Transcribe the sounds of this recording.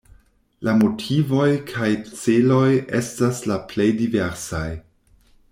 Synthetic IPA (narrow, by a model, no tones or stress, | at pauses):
lamo̞tʰivo̞jkʰajt͡selo̞jʔe̞̰staslaple̞jdiveɾsaj